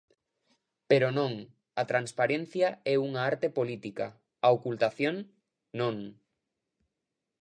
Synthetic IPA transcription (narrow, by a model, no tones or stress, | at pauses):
peɾonõŋ | at̪ɾanspaɾen̟θjaɛuŋaaɾt̪epolit̪ika | aokult̪aθjoŋː | õŋ